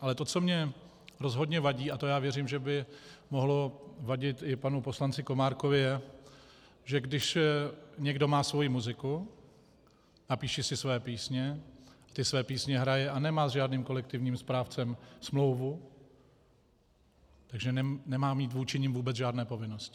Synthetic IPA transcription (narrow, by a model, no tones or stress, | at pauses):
ʔalɛt̪o̞t͡so̞mɲɛ | ɾo̞zɦo̞dɲɛvaɟiːat̪ojaːvjɛɾɪmʒɛbɪmo̞ɦlovaɟɪt̪ʔɪpanupo̞slant͡sɪko̞maːɾkovɪjɛ | ʒɛɡdɪʃ | ɲɛɡdo̞maːsvo̞jimuzɪku | napiːʃɪsɪsvɛːpiːsɲɛat̪ɪsvɛːpiːsɲɛɦɾajɛʔanɛmaːzʒaːdniːmko̞lɛkt̪ɪvɲiːmspɾaːft͡sɛmsmlo̞wvu | t̪aɡʒɛnɛnɛmaːmiːt̪vuːt͡ʃɪɲɪmvuːbɛd͡zʒaːdnɛːpo̞vɪnoscɪ